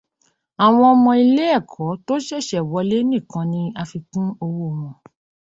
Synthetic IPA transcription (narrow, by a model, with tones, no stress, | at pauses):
a˨w̃ɔ̃˧ɔ˧mɔ̃˧i˧le˦ɛ˦˨kʰɔ˨˦to˦ʃɛ˦˨ʃɛ˨wɔ˨˧˦le˦nĩ˦˨kã˨˧nĩ˧a˧fi˧kũ˦o˧wo˦˨w̃ɔ̃˨